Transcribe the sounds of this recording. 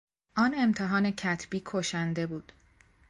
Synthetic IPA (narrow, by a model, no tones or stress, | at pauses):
ʔɒːne̞mt̪ʰeɦɒːne̞cʰæt̪ʰb̥iːkʰoʃænd̪e̞buːd̪̥